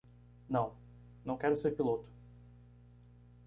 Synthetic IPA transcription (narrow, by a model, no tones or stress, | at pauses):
nɐ̃w̃ | nɐ̃w̃kɛɾʊseɾpilot̪ʊ̥